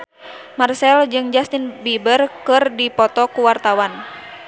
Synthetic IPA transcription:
marsɛld͡ʒɨŋd͡ʒast̪ɪnbibərkɨrdipɔt̪ɔkuwart̪awan

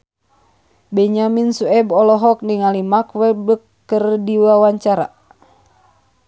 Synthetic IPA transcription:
bɛɲaminsuɛbɔlɔɦɔk̚niŋalimakwɛbəkːərdiwawaɲt͡ʃaɾa̰

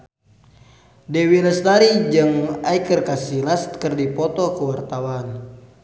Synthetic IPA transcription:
dɛwiləst̪aɾid͡ʒɨŋajkərkasilast̪kərdipɔt̪ɔkəwart̪awan

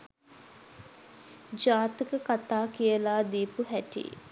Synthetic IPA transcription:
d͡ʒaːt̪ikəkat̪aːkijəlaːd̪iːpuɦæʈḭ

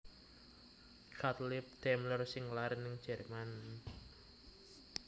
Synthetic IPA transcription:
kat̪lɪp̚d̪̥ɛmlərsɪŋlaɾɪnːɪŋ̥d͡ʒ̥ɛ̤rman

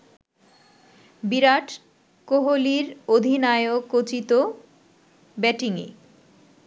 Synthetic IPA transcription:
biɾaʈ | koɦoliɾod̪ʱinaeokːot͡ɕit̪o | bɛʈiŋḛ

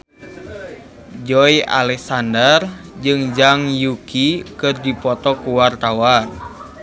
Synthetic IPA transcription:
d͡ʒɔia̰lɛksandərd͡ʒɨŋd͡ʒaŋjukikɨrdipɔt̪ɔkuwart̪awa

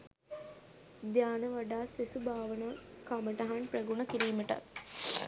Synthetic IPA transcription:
d̪jaːnəʋaɖaːsesubʱaːʋənakaməʈɐɦanprɐɡunəkiɾiːməʈa̰t̪

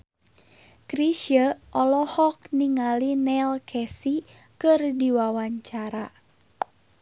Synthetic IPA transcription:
kɾiʃjəʔɔlɔhɔk̚niŋalinɛlkʰɛsi | kɨrdiwawaɲt͡ʃaɾa

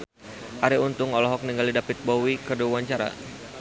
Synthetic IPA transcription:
ʔaɾiunt̪ʊŋɔlɔɦɔk̚niŋɡalidapɪt̪̚bowikərduwaɲt͡ʃaɾa̰

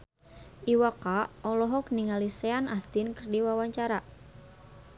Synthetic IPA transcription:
ʔiwakaɔlɔɦɔk̚niŋalisɛanast̪inkərdiwawaɲt͡ʃaɾa

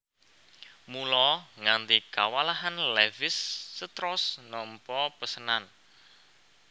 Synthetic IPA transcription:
mulɔŋant̪ikawalaɦanlɛvɪsːət̪ɾɔsnɔmpɔpəsənan

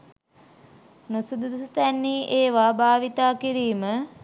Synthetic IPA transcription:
nusud̪ud̪ust̪ænːiːʔeːʋaːbaːʋit̪aːkiɾiːmə

